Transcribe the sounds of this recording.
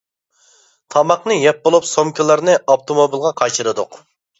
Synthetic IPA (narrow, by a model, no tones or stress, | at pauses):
t̪ʰɑmɑqnɨjɛp̚bolˠupsomkʲʰilˠɑɾnɨʔɑpt̪ʰomobilˠʁɑqʰɑjt͡ʃɨɾɨd̪ʊq